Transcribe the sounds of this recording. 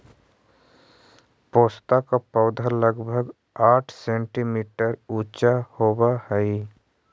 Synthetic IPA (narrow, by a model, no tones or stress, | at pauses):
poːst̪akapəʊd̪ʱaləɡbʱəɡ | aːʈʰsẽːɳʈimiːʈəɾuːt͡ʃahoːbahɛi